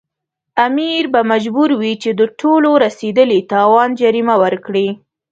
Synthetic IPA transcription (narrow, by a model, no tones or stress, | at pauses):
amiɾbamad͡ʒbuɾwit͡ʃed̪əʈʰoloɾased̪əlit̪ɑwɑnd͡ʒaɾimawəɾkɽi